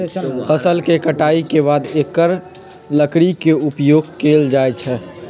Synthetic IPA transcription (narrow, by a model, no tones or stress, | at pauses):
fʰəsəlkekəʈaikebad̪ekːəɾ | ləkɾikeupjoɡkeːld͡ʒajt͡ʃʰɛ